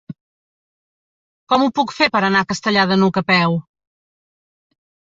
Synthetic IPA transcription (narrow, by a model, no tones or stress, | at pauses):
kɔmupukfepəɾənakəst̪əʎaðənukəpɛw